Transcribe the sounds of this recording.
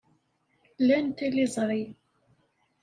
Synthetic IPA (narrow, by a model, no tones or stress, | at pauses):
lːænt̪ilizˤɾˤi